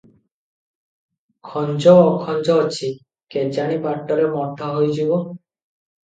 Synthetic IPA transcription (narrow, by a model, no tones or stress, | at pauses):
kʰɔnd͡ʑɔːkʰɔnd͡ʑɔat͡ɕʰi | ked͡ʑaɽ̃ipaʈːɔɾemɔd̪ʱːaɦojd͡ʑibo